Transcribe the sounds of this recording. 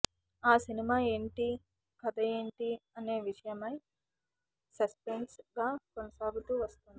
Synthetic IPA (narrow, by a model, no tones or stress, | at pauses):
aːsinimaːe̞ːɳʈi | kɐd̪ɐjeːɳʈiɐne̞ːʋiʂɐjɐmɐj | sɐspeɳsɡaːkonɐsaːɡut̪uːʋɐst̪und̪i